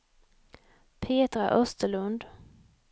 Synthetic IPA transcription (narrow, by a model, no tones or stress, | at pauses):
pʰeːt̪ɾa̰ʔœst̪əɭɵnd̪